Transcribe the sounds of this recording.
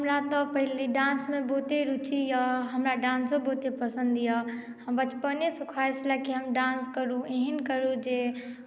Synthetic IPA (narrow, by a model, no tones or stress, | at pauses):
ɦəmɾat̪ɔ̃pəɦɪliɖãːnsmẽbɔːt̪eɾut͡ʃijɔɦəmɾaɖãnsobɔːt̪epəsə̃nd̪ja | həmbət͡ʃpənesukʰajt͡ʃʰlakiɦəmɖãːnskəɾueɦənkəɾud͡ʒe